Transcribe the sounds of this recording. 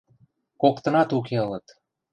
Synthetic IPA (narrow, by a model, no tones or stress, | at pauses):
kokt̪ə̆nɑt̪uk̬eələt̪